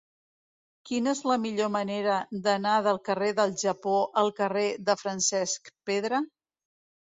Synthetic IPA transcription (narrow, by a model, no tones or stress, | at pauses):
kinəezləmiʎoməneɾəd̪ənaðəlˠkəreðəlˠʒəpoʔəlˠkəreðəfɾənsɛskpeðɾə